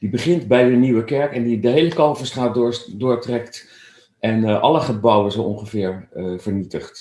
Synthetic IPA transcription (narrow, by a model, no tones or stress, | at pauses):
d̥ibəχɪntbɛjdəniwəkɛɹkɛndidəɦejləkɑlfəstraːtːdʊːɹtrɛkt | ʔɛnʔɑ̰ləχəbɑwəzoʔɔŋχəvɪːɹvəɹnitəχt